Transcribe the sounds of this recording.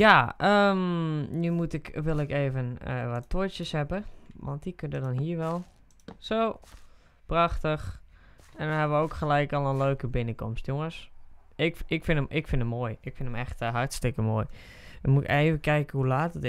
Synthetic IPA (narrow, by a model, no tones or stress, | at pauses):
jaəmnymutɪkʋɪlˠɪkeːvənə̰ʋɔtʰːot͡ʃjəshɛbəʋɔ̰ntdikøndədɔnɦiːəɹʋɛlˠ | soː | praxtəx | ɛndɔnɦɛbəʋəoːkxəlɛjkɔlˠənløːkəbɪnəkɔmstjoŋəsɪkɪkfɪnəmʔɪkfɪndəmːoːjɪkfɪndəmɛ̰xtɦartstɪkəmoːj | əmutɪ̰keːvəkɛjkəhɦulaːtət